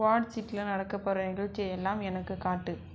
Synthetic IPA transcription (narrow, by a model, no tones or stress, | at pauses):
ʋaːɽsɪʈːɪlɐnɐɽɐkːɐpːɐɾɐnɪɣɐɭt͡ʃːɪjɛlːaːmɛnɐkːɯkaːʈːɯ